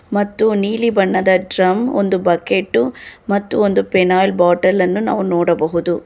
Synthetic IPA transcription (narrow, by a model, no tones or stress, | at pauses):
mɐt̪ːuniːlibɐɳːɐd̪ɐɖɾɐmond̪ubɐkeʈːumɐt̪ːuond̪upɛnaːjlbaːʈɐlːɐnːuna̰ːʋunoːɽɐbɐɦud̪u